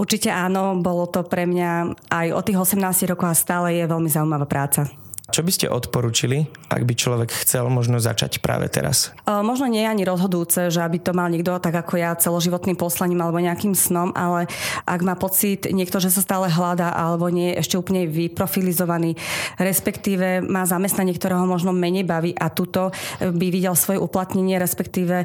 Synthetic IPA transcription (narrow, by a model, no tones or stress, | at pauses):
uɾt͡ʃicɛʔaːnɔbɔlɔt̪ɔpɾɛmɲaʔajʔɔ̰t̪ːiːɣɔsɛmnaːsciɦɾɔkɔʊɦast̪aːlɛjɛʋɛlmizauimaʋaːpɾaːt͡sa | t͡ʃɔbiscɛ̰ʔɔt̪pɔɾuːt͡ʃiliʔa̰ɡbit͡ʃlɔʋɛkxt͡sɛlmɔʒnɔza̰t͡ʃa̰cpɾa̰ːʋɛ̰t̪ɛ̰ɾa̰s | mɔʒnɔɲɪɛjɛaɲiɾɔzɦɔd̪uːt͡sɛʒɛabit̪ɔmalɲɪɛɡ̚d̪ɔt̪aɡakʰɔjat͡sɛlɔʒiʋɔt̪niːmpɔslaɲiːmalɛbɔɲɛakiːmsnɔmʔalɛʔaɡmaːpɔt͡sit̪ɲɪɛkt̪ɔʒɛs̬ast̪aːlɛɦlad̪aʔalɛbɔɲɪɛjɛʔɛʃcɛuːpl̩ɲɛʋipɾɔfilizɔʋaniːɾɛspɛkt̪iːʋɛmaːzamɛst̪naɲɪɛkt̪ɔɾɛːɦɔmɔʒnɔmɛɲɛjbaʋiːʔat̪ut̪ɔbiʋiɟɛlfsʋɔjɛʔuplat̪ɲɛɲɪɛɾɛspɛkt̪iːʋɛ